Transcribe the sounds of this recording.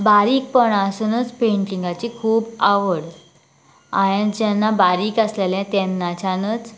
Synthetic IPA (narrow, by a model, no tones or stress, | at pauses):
baɾiːk̚pəɳasənət͡speɳʈiŋɡat͡ɕikʰuːbaʋəɽ | a̰jẽnd͡ʑɛnːabaɾiːkəsleljãt̪ɛnːat͡ɕanət͡s